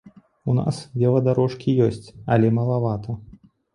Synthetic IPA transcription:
una̰svʲɛvɐd̪aɾɔʂkʲijɔsʲt͡sʲɐlʲɛmɐlˠavat̪ʰɐ

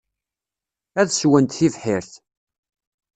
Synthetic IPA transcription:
æðswənt̪θivħɪɾθ

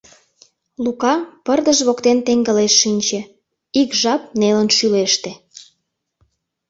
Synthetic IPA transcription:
lukɑpərd̪əʒβokt̪ent̪eŋɡəleʃːinʲt͡ɕĕ | ikʒɑp̚nelənʃyleʃt̪e

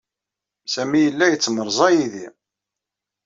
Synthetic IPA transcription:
sæmijəlːæjət͡sːməɾˤzˤɑjiði

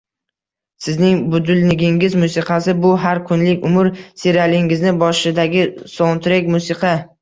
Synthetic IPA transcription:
sɪznɪŋbʊd̪ʊlnɪɡʲɪŋɪzmʊsɪqʰɑsɪbʊɦaɾkʰʊnlɪkʲʊmʊɾseɾalɪŋɪznɪbɒʃɪd̪aɡʲɪsont̪ɾekʲmʊsɪqʰɑ

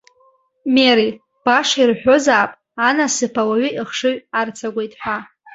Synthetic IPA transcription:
meɾi | b̥aʂairħʷᶣo̞zaːpʼ | anasɨpʰawaɥʏʔiχʂɨɥʷart͡sʰaɡʷe̞jtʼħʷᶣa

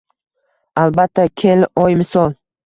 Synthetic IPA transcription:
albat̪ʰːakʲʰe̞lɒjmɪsɒlˠ

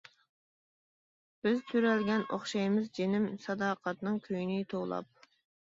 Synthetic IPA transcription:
b̥ɪzt̪ʰyɾɛlɡʲɛnoχʃɑjmɪzd͡ʒenɪmsɑd̪ɑːqʰɑt̪nɨŋkʲʰøjnɪt̪ʰowlˠɑ̰p̚

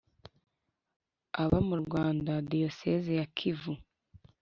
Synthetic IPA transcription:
aβamuɾɡwaːndadijosezejakʰivu

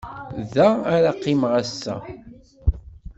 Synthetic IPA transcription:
ðæaɾaqːimʁæsːæ̰

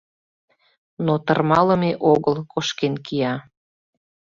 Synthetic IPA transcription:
not̪ərmɑləmeʔoɣəlkoʃkenkijɑ

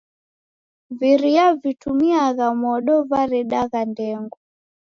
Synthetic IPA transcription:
viɾiavitumiaɣamɔɗɔvaɾɛɗaɣandɛŋɡɔ

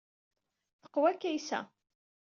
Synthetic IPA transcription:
θə̥qːwækːæjsæ̰

